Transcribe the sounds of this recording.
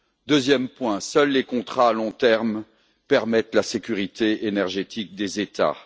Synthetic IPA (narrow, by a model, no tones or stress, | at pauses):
d̪øzjɛmpwɛ̃sœlːekɔ̃t̪χaːlɔ̃t̪ɛʁm | pɛʁmɛt̪lasekʲyʁit̪eenɛʁʒet̪ʰik̚d̪ezet̪a̰